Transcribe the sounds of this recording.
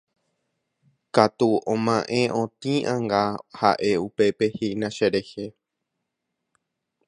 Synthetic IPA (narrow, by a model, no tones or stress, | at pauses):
kat̪uõmãʔẽ̞ʔõt̪ĩʔãŋɡaha̰ʔe̞upe̞pe̞hinãʃeɾehe